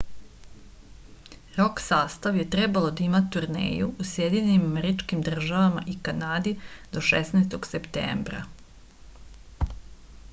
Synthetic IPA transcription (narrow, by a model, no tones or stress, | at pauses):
ɾoksaːst̪aʋje̞t̪ɾe̞balˠo̞d̪aimat̪uɾnḛːjuusjed̪iɲenimameɾit͡ʃkimd̪r̩ʒaʋama̰ʔikanaːd̪id̪o̞ʃesnaːst̪oɡsept̪ḛːmbɾa̰